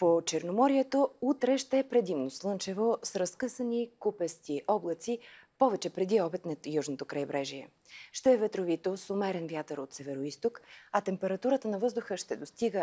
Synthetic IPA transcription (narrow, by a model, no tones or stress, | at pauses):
pot͡ʃɛɾnomɔɾiɛt̪out̪ɾɛʃt̪ɛɛpɾɛd̪imnoslˠɤnt͡ʃɛvosɾɐskɤsənikupɛst̪iʔɔblˠət̪sipɔvɛt͡ʃɛpɾɛd̪iɔbɛt̪nɐjuʒnot̪okɾɐjbɾɛʒiɛ̰ | ʃt̪ɛːvɛt̪ɾovit̪osomɛɾɛnvjat̪əɾot̪sɛvɛɾoist̪okɐt̪ɛmpɛɾɐt̪uɾət̪ənɐvɤzd̪ʊxəʃt̪ɛd̪ost̪iɡə